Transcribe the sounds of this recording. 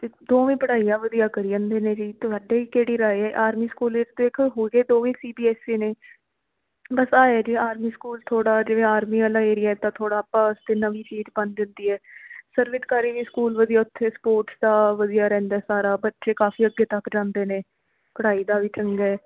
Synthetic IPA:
t̪eːd̪oːʋĩːpəɽaːiːjãːʋəd̪iːaːkəɾiːə̃ːnd̪eːnẽːd͡ʒiːt̪ʊsaːɖeːiːkeːɽiːɾaːeːɛːʔaːɾmiːskuːled̪eːkʰɦoːɡeːd̪oːʋĩːsiːbiːɛːsiːneː | bəsaːeːd͡ʒiːaːɾmiːskuːlt̪ʰoːɽaːd͡ʒɪʋẽːaːɾmiːəlaːeːɾɪjaːɛt̪ãːt̪ʰoːɽaːpːaːəst̪eːnəʋiːt͡ʃiːd͡ʒbənd͡ʒənd̪iːɛːsəɾʋɪt̪kaːɾiːʋiːskuːlʋəd̪iːaːʊt̪ʰːeːspoːɾʈsd̪aːʋəd̪ijaːɾɛ̃ːnd̪aːsaːɾaːbətːʃeːkaːfʰiːəɡeːt̪əkːd͡ʒãːnd̪eːneː | pəɽaːiːd̪aːʋiːt͡ʃəŋɡɛː

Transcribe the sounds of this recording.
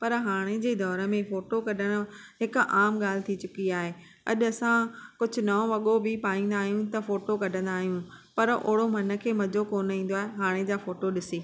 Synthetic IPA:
pɐɾɦaːɽ̃ed͡ʑeːd̪ɔːɾə̆mẽfoːʈokɐɗʱəɽ̃ʊɦɪkʔaːmɠaːl̤ɪt̪ʰit͡ɕʊkiaːɦeː | ɐ̰ʄɐsãkʊd͡ʑʱʊ̆nɐõʋɐɠobɪpaːĩːn̆d̪aːɦijũt̪ɐfoːʈokɐɖʱə̃nd̪aːɦijũpɐɾʔʊ̰ɽomɐnə̆kʰeːmɐd͡ʑokoːnĩːn̆d̪oaːɦeɦaːɽ̃ed͡ʑaːfoːʈoɗɪsiː

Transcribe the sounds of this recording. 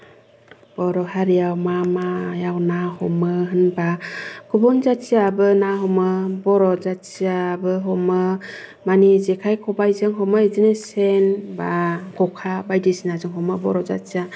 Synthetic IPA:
b̥ɔɾɔhaɾijawmamajawnahɔmɯɦɯnbaɡ̥ubɔnzasiabɯnaɦɔmɯbɔɾɔzasiabɯɦɔmɯ | manizekʰajkʰɔbajzɯŋɦɔmɯizinesenbaɡ̥ʰɔkʰabajdisinazɯŋɦɔmɯbɔɾɔza̰sia

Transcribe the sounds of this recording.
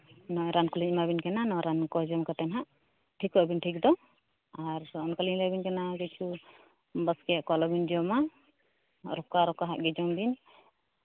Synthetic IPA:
nɔjɾankuliɲmabinkananɔjɾankɔd͡ʒɔmkat̪ɛnɦaʔ | ʈʰikɔʔbinʈʰik̚d̪ɔ | aɾɔnkaliɲlabinkanaɡɛt͡ʃʰu | bəskɛaʔkɔlɔbind͡ʒɔma | ɾɔkaɾɔkaɦaʔɡɛd͡ʒɔmbin

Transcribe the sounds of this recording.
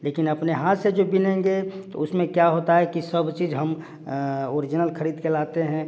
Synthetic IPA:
leːkɪnəpneɦaːt̪sed͡ʒobɪnẽŋɡet̪o̰ʊsmẽkjaɦoːt̪aɦɛkisəbt͡ʃiːd͡ʒɦɐm | oːɾɪd͡ʒɪnəlkʰəɾiːd̪kelaːt̪eɦɛ̃ː

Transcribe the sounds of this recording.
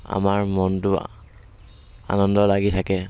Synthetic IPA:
a̰maɹmɔntʊ | a̰nɔndɔlaɡitʰakɛ

